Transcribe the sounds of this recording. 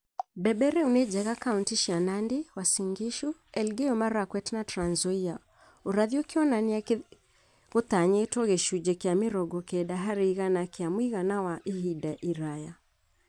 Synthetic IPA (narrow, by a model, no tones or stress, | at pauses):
bɛɓɛɾɛunɛd͡ʒɛɣakauntiʃianandiwasiŋɡiʃuɛlɡɛɔmaɾakwɛtnatɾanzɔia | uɾaðiɔkiɔnania | kɔt̪aɲɛːtɔɣɛʃud͡ʒɛkiamiɾɔɡɔkɛɗaɦaɾiɣanakiamwiɣanawaʔihiɗaʔiɾaja